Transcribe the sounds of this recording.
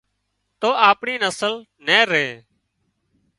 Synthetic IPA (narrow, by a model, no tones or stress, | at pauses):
t̪oːʔaːpɳiːnəsəl | neːɾeː